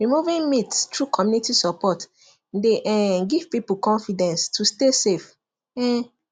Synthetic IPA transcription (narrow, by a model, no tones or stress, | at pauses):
ɹimuvĩŋmitstʰɹukʰɔmjunitisɔpɔt | deʔɛɡiv̥pipukɔ̃ɱfidɛ̃nstʰustesef | ɛ̃